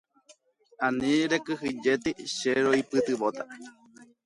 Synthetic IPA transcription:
anĩɾekɨɦid͡ʒet̪iʃeɾoipɨt̪ɨʋot̪a

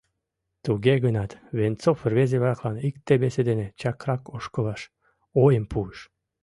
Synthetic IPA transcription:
t̪uɣeɣənɑt̪βent͡sofərβezeβɾɑklɑnikt̪eβesed̪enet͡ɕɑkɾɑkoʃkolɑʃ | ojəmpuəʃ

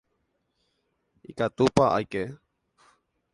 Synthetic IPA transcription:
ḭkat̪upaʔa̰jke

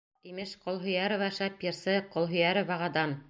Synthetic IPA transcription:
imɘʃqŏlˠɦɵ̆jæɾovɑʃɑpjɘ̆ɾsɤqŏlˠɦɵ̆jæɾɘ̆βɑʁɑd̪ɑn

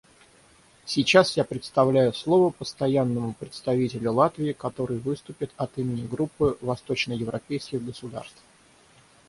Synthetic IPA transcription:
sʲɪt͡ɕasjapɾʲɪt̪st̪ɐvlʲæjʊslˠo̞vəpəst̪ɐjanːəmʊpɾʲɪt̪st̪ɐvʲitʲɪlʲʊlˠat̪vʲɪːkɐt̪o̞ɾɨjvɨst̪ʊpʲɪt̪ɐt̪imʲɪnʲɪɡɾupːɨvɐst̪o̞t͡ɕnəjɪvɾɐpʲejskʲɪɣɡəsʊd̪a̰rst̪f

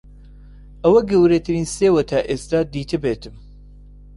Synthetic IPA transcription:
ʔɐwɐɡɐwɾet̪ʰɨɾiːnseːwɐt̪ʰaːʔeːst̪aːd̪iːt̪ʰɨbet̪ʰɨm

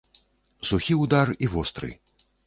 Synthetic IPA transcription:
suxʲiwd̪arivɔst̪ɾɨ̰j

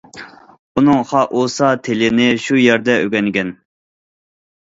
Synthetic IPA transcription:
unɨŋχɑʔosɑt̪ʰelɪnɪʃujɛɾd̪ɛøɡʲɛnɡʲɛn

